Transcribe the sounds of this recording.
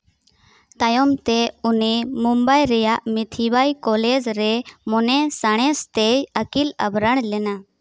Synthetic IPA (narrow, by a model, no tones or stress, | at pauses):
t̪ajɔmt̪ɛunimumbajɾɛjaʔmit̪ʰibajkɔlɛd͡ʒɾɛmɔnɛsaɽ̃ɛst̪ɛjəkila̰bɾəɳ̃lɛna